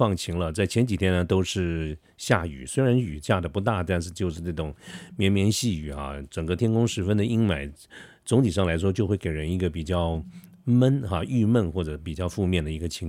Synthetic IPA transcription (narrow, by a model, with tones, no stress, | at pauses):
ɑ˥˩ŋt͡ɕʰi˧˥ŋlə˧t͡sa˥˩ɪt͡ɕʰjɛ˧˥nt͡ɕi˨˩t̪ʰjɛ˥nə˧t̪o˥ʊʂɻ̩˥˩ | ɕja˥˩y̰˨˩˦swe˥ɪɻa˧˥ny˨˩ɕja˥˩d̪ə˩pu˧˥t̪a˥˩t̪a˥˧nʂ̬ɻ̩˥˧t͡ɕjo˥˧ʊʂɻ̩˥˧na˥˩ʈ͡ʂʊ˨˩ŋmjɛ˧˥nmjɛ˧˥nɕi˥˩y̰˨˩xa̰˧ʈ͡ʂə˨˩ŋɡə˧˦t̪ʰjɛ˥nkʊ˥ŋʂɻ̩˧˥fə˥nd̪ə˨i˥ŋma˨˩˦ɪ | t͡sʊ˧˥ŋt̪ʰi˨˩ʂ̬ɑ˥˩ŋla˧˥ɪʂ̬wɔ˥t͡ɕjo˥˧ʊxwe˥˩ɪke˨˩ɪɻə˧˥ni˧˥ɡə˧pi˨˩t͡ɕjɑ˥˩ʊ | mə˥nxa˥˧y˥˧mə˥˧nxwɔ˥˩ʈ͡ʂɤ˧˩˥pi˨˩t͡ɕjɑ˥˧ʊfu˥˧mjɛ˥˩nd̪ə˩i˧˥ɡə˧t͡ɕʰi˧˥ŋ